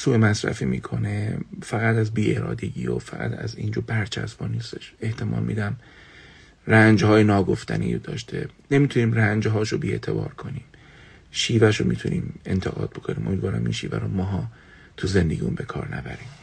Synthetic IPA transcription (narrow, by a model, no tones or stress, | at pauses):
suːemæsɾæ̰fiːmiːkʰo̞nefæɣæt̪æzbiːe̞ɾɒːd̪e̞ɟiːofæɣæ̰t̪ʰæ̰ziːnd͡ʒoːbæɾt͡ʃʰæ̰sb̥ɒːniːst̪e̥ʃe̞ht̪ʰe̞mʔɒ̰ːlmiːd̪æm | rænd͡ʒhɒːjenɒːɡo̞ft̪ʰænijod̪ɒ̰ːʃt̪ʰe̞nemiːt̪ʰuniːmrænd͡ʒɦɒːʃobiːe̞t̪ʰe̞bɒ̰ːɾkʰo̞niːm | ʃiːvæʃomiːt̪ʰunʔiːme̞nt̪ʰeɣɒ̰ːd̪̥̚bo̞kʰo̞niːmʔo̞mid̪vɒːɾæmʔḭnʃiːvæ̰ɾomɒːɦɒː | t̪ʰuzend̪e̞ɡɟiːumbe̞kʰɒːɾnæbæɾiːm